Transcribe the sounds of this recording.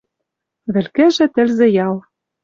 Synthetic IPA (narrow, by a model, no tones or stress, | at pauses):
βɘ̆lkɘ̆ʒɘ̆t̪ɘ̆lzĕjɑlˠ